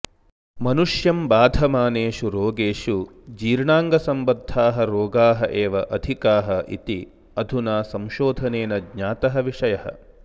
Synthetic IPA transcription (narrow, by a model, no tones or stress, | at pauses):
mɐnuʂjɐmbaːd̪ʱɐmaːneːʂuɾoːɡeːʃu | d͡ʒiːɾɳaːŋɡɐsɐmbɐd̪ʱːaːɦɐɾoːɡaːɦɐʔeːʋɐʔɐd̪ʱikaːɦɐʔḭt̪i | ɐd̪ʱunaːsɐmʃoːd̪ʱɐneːnɐdɲaːt̪ɐɦɐʋiʂɐjɐhɐ̰